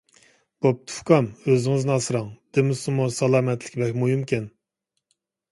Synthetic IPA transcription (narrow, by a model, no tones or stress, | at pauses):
b̥op̚t̪ʰu̥fkʰɑmøzɪŋɨznɨɑsɨɾɑŋd̪̥ɪmɪsumusɑlˠɑːmɛt̪ʰlɪkʲbɛkʲmujumkʲʰɛn